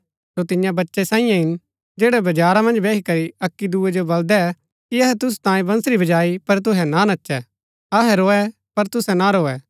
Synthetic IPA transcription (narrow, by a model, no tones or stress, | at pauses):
sot̪ɪnjãbɐtːʃɛsãːĩjãɦɪn | d͡ʒeːɽɛbɐd͡ʒaːɾamɐ̃nd͡ʒbeːkikɐɾiɐkːid̪uːɛd͡ʒobɐld̪ɛ | kiɐɦɛt̪ʊs̬u̥t̪ãːjẽbɐ̃nsɾibʱɐd͡ʒaːipɐɾt̪̬ʊɦɛnanɐtːʃɛ | ɐɦɛɾoːɛ | pɐɾt̪ʊsɛnaɾoːɛ